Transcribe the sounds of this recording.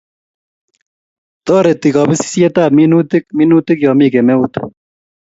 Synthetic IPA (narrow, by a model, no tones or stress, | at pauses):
t̪ɔːɾet̪iɡɑːbisi̥sijet̪aːminuːt̪ik̚minuːt̪ikjɑːmiːɡemeut̪